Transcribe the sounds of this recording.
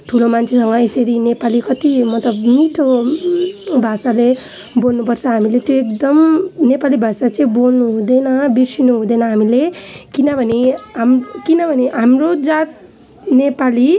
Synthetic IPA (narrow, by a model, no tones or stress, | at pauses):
ʈʰulomant͡sʰesʌŋɡʌeseɾinepalikʌt̪imʌt̪lʌbmit̪ʰo | bʱasale | bolnupʌrt͡sʰʌɦamilet̪joek̚d̪ʌmnepalibʱasat͡sʌĩbolnuɦud̪enʌbisinuɦud̪enʌɦamilekinʌbʱʌneɦamkinʌbʱʌneɦamrod͡zat̪̚ | nepali